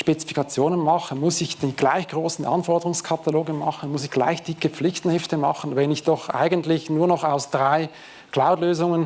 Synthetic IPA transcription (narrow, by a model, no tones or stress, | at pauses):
ʃpet͡si̥fi̥kɑt͡sjoːnənmɑχəmʊsɪçd̥iɡ̥laɪçɡ̥ʁoːsn̩ʔɑ̰nfɔɐdəʁʊŋskʰɑt̪aloːɡənmɑχən̩mʊsɪçɡ̥la̰ɪçd̥ɪkəp͡flɪçtn̩hɪftəmɑ̰χən̩vɛnɪçd̥ɔχʔa̰ɪɡəntlɪçnuːɐnɔχaʊsd̥ʁaɪ | kʰl̥aʊtløːzʊŋən